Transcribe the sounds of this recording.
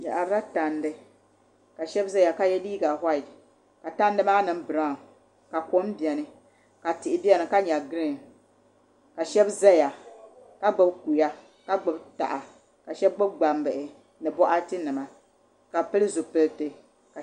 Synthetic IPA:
ja̰˨ʔa˨ɾa˦ta˨ndɨ˦ | ka˨ʃɛ˦bza˦ja˨ka˦jɛ˦liː˦ɡa˨ha˦ɪ˨d | ka˨ta˦n˦dɨ˦maː˦nɨ˨m˦bɨ˨ɾa˦˨ | ka˨ko˦mbi˨ɛ˨nɨ˨ | ka˨tɪ˨ʔɪ˨bi˦ɛ˦nɨ˨ka˦ɲa˨ɡɨ˦ɾɨ˦˨n | ka˨ʃɛ˦bza˦ja˨ | ka˦ɡ͡bɨ˦bku˨ja˦ | ka˦ɡ͡bʊ˨bta̰˨ʔa˨ | ka˨ʃɛ˦b̚ɡ͡bʊ˦b̚ɡ͡ba˨mbɨ˨ʔɪ˨ | nɨ˨bɔ˦ʔa˦tɨ˦nɨ˨ma˨ | ka˨pɨ˦lɨ˦zo˨pɨ˨ltɨ˨ | k

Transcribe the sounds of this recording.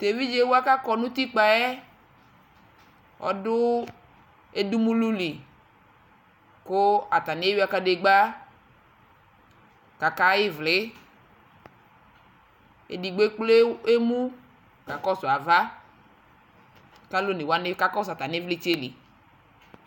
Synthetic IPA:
t̪e˨vi˦d͡ʒe˦wo˦a˦ka˦kɔ˨nũ˦t̪i˦k͡pa˨ɛ˦ | ɔ̰˦dʊ˦ | e˦du˦mũ˦lu˦li˨ | kʊ˦a˨t̪a˨nɪ˦e˦wi˦a˦ka˦de˨ɡ͡ba˦ | ka˨ka˦jɪ˦vlɪ˦ | ḛ˨di˨ɡ͡be˦k͡ple˦e˦mũ˦ | ka˨kɔ˦sʊ˨a˨va˦ | ka˦lo˦ne˨wa˦nɪ˦ka˦kɔ˦s̬a˨t̪a˨n˦vlɪ˦t͡ʃe˦lḭ˨

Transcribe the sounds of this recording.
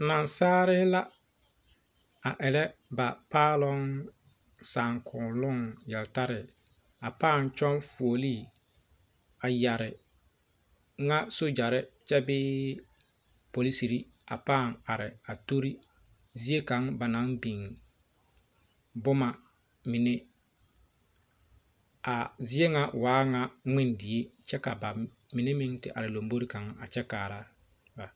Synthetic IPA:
na˨nsaː˦ɾɪ˦hla˦ | a˨ʔɛ˨lɛ˦ba˨paː˦lʊ˦ŋ | saː˨ŋkʰʊ˨nlʊ˦ŋjɛ˨lɪ˨ta˦ɾɪ˨ɪ˨ | a˨paː˦˨nt͡ʃɔ˦nfu˨o˨liː˦˨ | a˨ja˨ɾɪ˨ | ŋa˦so˦d͡ʒa˨ɾɪ˦t͡ʃɛ˦bɪː˦ | po˨li˦si˨ɾi˦ | a̰˨paː˦˨ŋa˨ɾɪ˨a˨to˦ɾi˦ | zi˦e˦ka˨˦ŋba˨na˨˦ŋbi˨ŋ | bʊ˦ma˨ | mi˨ne˦ | a˨zɪ˦e˦ŋa˦waː˨˦ŋa˦ŋɪ˦ndɪ˨e˦t͡ʃɛ˦ka˨ba˨ | mi˨ne˦mɪ˦ŋtɪ̰˨ʔa̰˨ɾɪ˨lo˨mbo˦ɾi˦ka˨ŋ˦a˨t͡ʃɛ˦kaː˨ɾa˦ | ba˨

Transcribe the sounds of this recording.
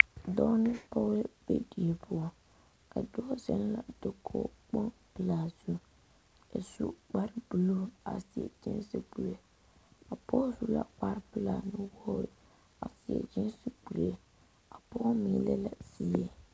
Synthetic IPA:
dɔ˦nɪ˦pɔ˦lɨ˦b̥e˦di˨e˨pʰʊ˦ɔ˦ | ka˨dʊ˦ɔ˦zɛ˦n˦la̰˨d̥o˨kʰo˦k͡po˦npɨ˨laː˨zu˦ | ɛ˨su˦k͡pa˦ɾɪ˦b̥u˨lo˦a̰˨sɪ˨ɛ̰˨d͡ʒɪ̰˦n˦si˦ɡ͡bu˨le˨ | a˨pɔ˦zu˦la̰˨k͡pa˦ɾpɨ˨laː˨nɪ˨wɔ˦ɾɪ˨ | a̰˨sɪ˨ɛ̰˨d͡ʒɪ˦nsi˦ɡ͡bu˨le˦ | a˨pɔ˦mi˨lɛ˦la˨si˦ɛ˨

